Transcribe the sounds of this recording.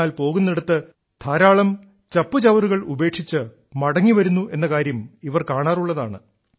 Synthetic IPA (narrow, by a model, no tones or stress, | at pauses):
aːlpo̞ːɣunːeɽut̪ːɨ | t̪ʰaːɾaːɭɐm | t͡ɕɐpːɨt͡ɕɐʋɐruɣɐɭube̞ːkʂit͡ɕːɨ | mɐɽɐŋːiʋɐɾunːuʔe̞nːɐkaːɾjɐmiʋɐrkaːɳaːruɭːɐðaːɳɨ